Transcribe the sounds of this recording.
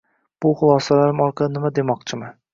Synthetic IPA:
b̥ʊχʊlˠɒsalaɾɪmɒɾqʰɑd̪ɪnɪmad̪emɒq̚t͡ʃʰɪmɪ

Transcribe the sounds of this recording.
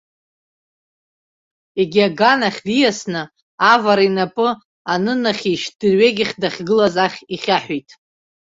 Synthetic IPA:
e̞ɡʲiaɡanaχʲdijasnɨ | avaɾainapʼɨ | anɨnaχʲiʃd̥ɨrɥeɡʲɪχʲdaχʲɡɨlazaχʲiχʲaħʷijtʼ

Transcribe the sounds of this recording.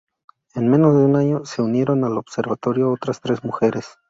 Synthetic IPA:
e̞nme̞no̞zðeunaɲo̞se̞unje̞ɾo̞nalo̞bse̞ɾβat̪o̞ɾjo̞o̞t̪ɾast̪ɾe̞zmuxe̞ɾe̞s

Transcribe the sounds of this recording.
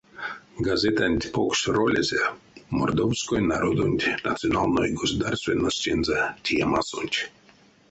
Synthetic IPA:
ɡazʲet̪anʲt̪ʲpoksʲrolʲḛzʲemord̪owskojnaɾod̪onʲt̪ʲna̰t̪sɨonalˠnojɡosud̪arst̪vʲenːosʲt̪ʲenzat̪ʲijamasonʲt̪ʲ

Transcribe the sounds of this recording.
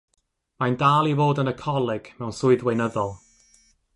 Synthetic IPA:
mandaːlˠivoːdənəkʰɔlˠɪɡ̥mɛwnsʊɨðwejnəðɔlˠ

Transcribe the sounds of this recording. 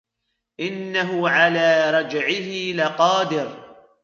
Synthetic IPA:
ʔɪnːaɦʊʕalaːɾˤɑd͡ʒʕɪhɪlɪqɑːd̪ɪɾ

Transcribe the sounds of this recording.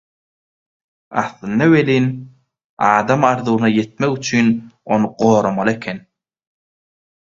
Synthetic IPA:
ɑ̰θlˠɯnːɑweliːn | ɑːd̪ɑmɑɾðuːnɑje̞t̪̚meɣyt͡ʃʰyno̞nɯɢoːɾomɑlˠɯekʲʰen

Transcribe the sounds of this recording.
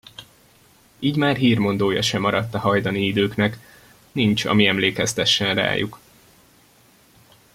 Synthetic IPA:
iːɟmaːrɦiːrmo̞n̪d̪oːjɒ̰ʃɛmːɒɾɒt̪ːɒhɒjd̪ɒniid̪øːknɛk | nint͡ʃɒ̰miɛmleːkɛst̪ɛʃːɛnra̰ːjṵk

